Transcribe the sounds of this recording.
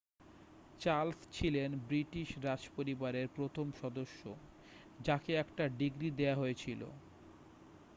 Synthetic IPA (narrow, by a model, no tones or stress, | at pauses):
t͡ɕalst͡ɕʰilenbɾiʈiʃɾad͡ʑpoɾibaɾeɾpɾot̪ʰomʃɔd̪oʃːo | d͡ʑakeɛkʈaɖiɡɾid̪eaɦoet͡ɕʰilo̰